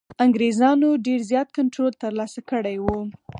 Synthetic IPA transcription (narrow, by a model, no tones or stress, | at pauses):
aŋɡɾezɑnoɖeɾzjɑt̪̚kaɳʈɾolt̪əɾlɑsakəɽajwu